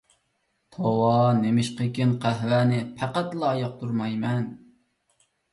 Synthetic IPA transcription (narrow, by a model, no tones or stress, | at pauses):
t̪ʰowɑnemɪʃqəkʲinqʰæɦwæːnɪpʰæqæt̪lˠɑːjɑq̚t̪ʰuɾmɑjmɛn